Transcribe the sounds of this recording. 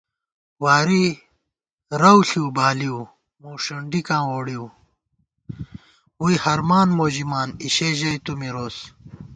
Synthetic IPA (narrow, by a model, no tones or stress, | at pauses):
waːɾi | ɾɐwɬiwbaːliw | moːʂɐɳɖikãːwoːɽiw | wuihɐɾmaːnmoːʑimaːniɕeʑɐjt̪umiɾoːs